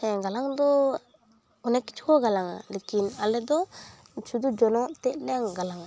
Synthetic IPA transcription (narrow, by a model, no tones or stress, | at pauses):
ɛɡalaŋd̪ɔ | ɔnɛkːi̥t͡ʃʰkɔɡalaŋa̰lekinalɛd̪ɔ | t͡ʃud̪ud͡ʒɔnɔʔt̪ɛʔ̚lɛjaŋɡalaŋa